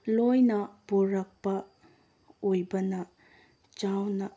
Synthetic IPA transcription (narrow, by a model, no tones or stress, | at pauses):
lojnɐpuɾɐk̚pɐ | ojbɐnɐ | t͡ʃawnɐ